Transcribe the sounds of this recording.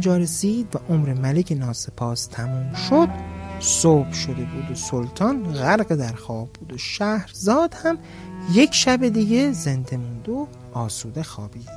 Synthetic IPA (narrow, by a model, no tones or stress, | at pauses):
d͡ʒɒːɾesiːd̪væʔomɾemælecʰenɒːse̞pʰɒːst̪ʰæmuːmʃod̪̥soːb̥ʃod̪e̞buːd̪osolt̪ʰɒːnɣæɾɢed̪æɾxɒːbːuːd̪oʃæhɾzɒːd̪̥hæm | je̞kʰʃæbed̪iːɡe̞zend̪e̞mund̪o | ɒːsuːd̪e̞xɒːbiːd̪̥